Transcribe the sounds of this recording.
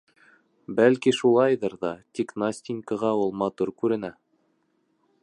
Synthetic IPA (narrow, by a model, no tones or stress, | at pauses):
bælkiʃulˠɑjðɤɾðɑt̪ʲiknasʲt̪ʲɪnʲkɑʁɑulˠmɑt̪uɾkʉɾɘ̆næ